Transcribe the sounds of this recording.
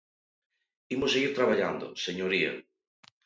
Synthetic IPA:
imoseɣiɾt̪ɾaβaʎand̪o̰seɲoɾiɐ̰

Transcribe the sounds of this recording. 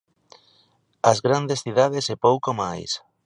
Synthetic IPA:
ɐzɣɾand̪esθiðaðesepowkomajs

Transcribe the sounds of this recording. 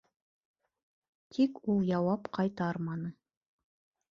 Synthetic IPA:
t̪ʰikulˠjɑwɑpqʰɑjt̪ɑɾmɑnɤ

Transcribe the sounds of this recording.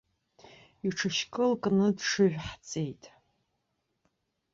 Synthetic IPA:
iʈ͡ʂʰɨʃkʰʼɨlkʼnɨdʂɨʒᶣʷħt͡sʼejtʼ

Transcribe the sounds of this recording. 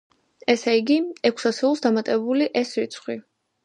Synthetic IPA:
ɛsɛiɡiɛkʷʰsasiulˠsd̪amat̪ʼɛbuliʔɛsɾit̪sʰχwi

